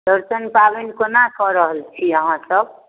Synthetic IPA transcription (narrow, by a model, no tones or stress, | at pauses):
d̪ʌɾsʌnpabenkonakʌɾʌɦəlt͡ʃʰiʌɦãsʌb̚